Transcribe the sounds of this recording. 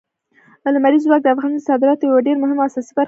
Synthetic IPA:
lamaɾizwɑk̚d̪əafɣɑnsɑd̪ɪɾɑt̪ojawaɖeɾmʊɦɪmasɑsibaɾ

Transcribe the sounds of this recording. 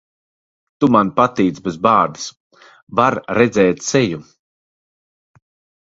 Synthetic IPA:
t̪umanpat̪iːt̪sbezbaːɾd̪ɨs | vaɾɾɛd̪zɛːt̪seju

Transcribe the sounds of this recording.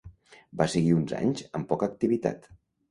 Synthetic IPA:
basəɣiunza̰ɲzəmpɔkəːk̚t̪iβit̪a̰t̪

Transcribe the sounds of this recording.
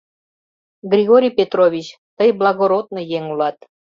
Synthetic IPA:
ɡrʲiɣoɾʲijpʲet̪rovʲit͡ɕ | t̪əjblɑɣoɾod̪̚nojeŋulɑt̪

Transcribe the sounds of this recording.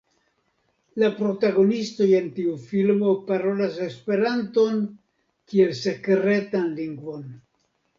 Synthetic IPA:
lapɾo̞taɡo̞nisto̞je̞ntiufilmo̞paɾo̞lase̞spe̞ɾanto̞n | kie̞lse̞kɾe̞tanliŋɡvo̞n

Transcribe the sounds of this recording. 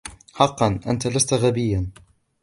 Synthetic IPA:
ħɑqːɑnʔa̰nt̪alast̪aɣabɪjːan

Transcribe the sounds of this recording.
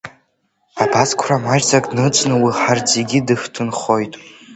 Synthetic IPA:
abazkʷʰramaʒzakʼnɨt͡ʃʷʼnɨwiħard͡zeɡʲidɨħtʰɨnχo̞jtʼ

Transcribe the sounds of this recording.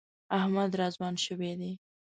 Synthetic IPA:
ahmad̪ɾɑzwɑnʃəwed̪e

